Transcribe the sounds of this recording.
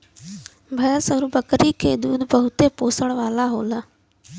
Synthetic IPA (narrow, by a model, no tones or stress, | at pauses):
bʱɐjəsəɾubəkɾikʰeːd̪uːd̪bəɦʊt̪epoːsəɽ̃ʋaːlaɦoːlaː